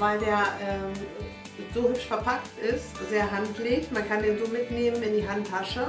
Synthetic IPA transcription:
vaɪldeːɐʔɛːm | z̥oːhʏpʃfɛɐpʰaktʔɪstz̥eːɐɦantleːçmankʰandeːnzoːmɪtneːmənɪndiːɦantʰːaʃə

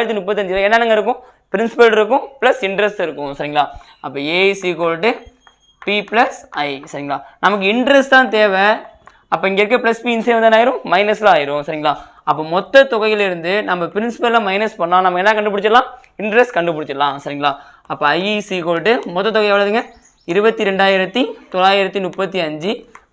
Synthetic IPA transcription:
ɪɾɐt̪̬ːɯnʊpːɐt̪ːɐɲd͡ʒɪlãɛnːɐnɐːŋɡɐɪɾɯkːʊ̃ | pɪɾɪnsɪpɐlɪɾɯkːʊ̃pɪlɐsɪɳɖɾɛsʈɪɾɯkːʊ̃sɐɾiŋɡɐɭaː | ɐpːoːeːsikoːɭʈːɯ | pipɪlɐsɐɪsɐɾiŋɡɐɭaːnɐmɐk̬ːɯɪɳɖɾɛsʈt̪ãːt̪eːʋɛ̃ | ɐpːoːɪŋɡeɪɾɯkːɐ̃pɪlɐspiːɪnsiʋɐnd̪naːjɪɾʊ̃mɐɪnɐslãaːjɪɾʊ̃sɐɾiŋɡɐɭaː | ɐpːoːmɔt̪ːɐt̪ʊɣɐɪɪlɪɾɯnd̪ɯnɐmːɐpɪɾɪnsɪ̥pɐlɪlaːmɐɪnɐspɐɳːãːnɐmɐɛnːɐkɐɳɖɯpʊɽɪt͡ʃːɐɐlãː | ɪɳɖɾɛsʈkɐɳɖɯpʊɽɪt͡ʃːɐɐlãːsɐɾiŋɡɐɭaː | ɐpːoːɐɪisikoːlʈːɯmɔt̪ːɐt̪ːɔɣɐɪɛʋɐɭɐðɯŋɡɐ | ɪɾɯbɐt̪ːiɾɛɳɖaːjɪɾɐt̪ːit̪ɔlaːjɪɾɐt̪ːinʊpːɐt̪̬ːiɐɲd͡ʒɯ

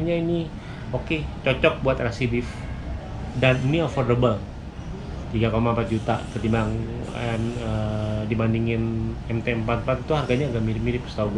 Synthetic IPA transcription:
ɲaini | oket͡ʃɔt͡ʃɔk̚buat̪rasidɪf | danniɔfɔrdəbəl | t̪iɡakomampat̪̚d͡ʒut̪a̰kət̪imaŋmədibandiŋɪnɛmt̪eɛmpat̪̚mpat̪it̪uɦarɡaɲaːɡaʔmiɾɪmiɾɪpsə̥t̪auɡ

